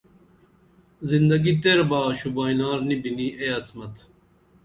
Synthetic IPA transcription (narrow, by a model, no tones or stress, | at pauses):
zind̪ɐɡit̪eɾbaːɕubaːjnaːɾnibiniʔeɐsmɐt̪